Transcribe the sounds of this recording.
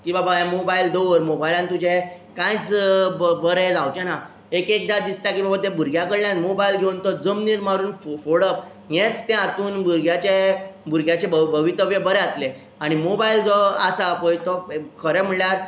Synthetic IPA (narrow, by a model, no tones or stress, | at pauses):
kĩw̃ʋabaemobaild̪eʋəɾmobajlãnt̪ud͡ʑe | kãjt͡s | bəɾed͡zawt͡ɕena | ekek̚d̪ad̪ist̪akĩʋabat̪ɛbʱuɾɡʱjakəɽljãnmobailɡʱeunt̪ɔd͡zəmniɾmaɾuːnffoɽəp̚ | jẽt͡st̪ɛ̃at̪uːnbuɾɡjat͡ɕebʱuɾɡʱjat͡ɕebəbəʋit̪əʋjebəɾɛat̪le | aɽ̃imobaild͡zɔasapəjt̪ɔkʰəɾɛm̤əɭjaɾ